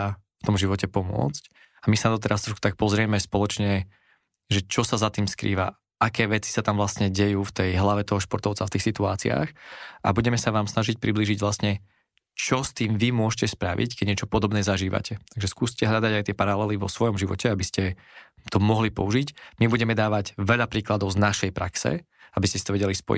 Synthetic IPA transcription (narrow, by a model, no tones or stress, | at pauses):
ft̪ɔmʒiʋɔcɛpɔmʊɔ̰t͡sc | amisanad̪ɔt̪ɛɾast̪ɾɔʃku̥t̪ak̚pɔzɾɪɛmɛspɔlɔt͡ʃɲɛ | ʒɛt͡ʃɔsazat̪iːmskɾḭːʋa̰ | ʔakɛːʋɛt͡si̥sat̪amvlasɲɛɟɛjuːft̪ɛjɦlaʋɛt̪ɔɦɔʃpɔɾt̪ɔʊt͡saft̪iːxsit̪uaːt͡sḭa̰ːxʔa̰buɟɛmɛsaʋaːmsnaʒic̚pɾibliːʒiɟʋlast̪ɲɛ | t͡ʃɔst̪iːmʋimʊɔʃcɛspɾaʋḭckɛɟɲɛt͡ʃɔpɔd̪ɔbnɛːzaʒiːʋa̰cʰɛt̪aɡʒɛskuːscɛɦʎad̪aɟajt̪ɪɛpaɾalɛliʋɔsʋɔjɔmʒiʋɔ̰cɛabiscɛ | t̪ɔmɔɦlipɔ̰uʒicmibuɟɛmɛd̪aːʋaɟʋɛʎapɾiːklad̪ɔʊznaʃɛjpɾaksɛ̰ | abiscɛsit̪ɔʋɛɟɛlispɔ̰jḭ